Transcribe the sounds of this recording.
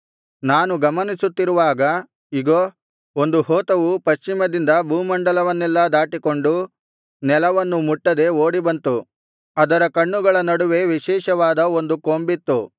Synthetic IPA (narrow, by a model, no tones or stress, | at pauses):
naːnuɡɐmɐnisut̪ːiɾuʋaːɡɐ | iɡoː | ond̪uhoːt̪ɐʋupɐʃt͡ʃimɐd̪ind̪ɐbuːmɐɳɖɐlɐʋɐnːɛlːɐd̪aːʈiko̞ɳɖu | nɛlɐʋɐnːumuʈːɐd̪e̞oːɽibɐnt̪u | ɐd̪ɐɾɐkɐɳːuɡɐɭɐnɐɽuʋe̞ʋiʃɛːʃɐʋaːd̪ɐo̞nd̪ukoːmbit̪ːu